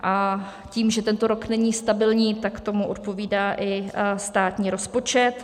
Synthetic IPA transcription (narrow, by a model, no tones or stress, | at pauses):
ʔa | ciːmʒɛt̪ɛnt̪oɾoknɛɲiːst̪abɪlɲiːt̪akt̪o̞muʔot̪̚po̞viːdaːʔɪst̪aːt̪ɲiːɾo̞spo̞t͡ʃɛt̪